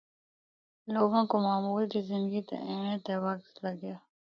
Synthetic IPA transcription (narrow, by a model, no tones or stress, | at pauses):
loːɡõːkomaːmuːld̪iːzɪ̃nd̪ɡiːt̪ḛʔẽːnẽːt̪eːwakslaɡɪjaː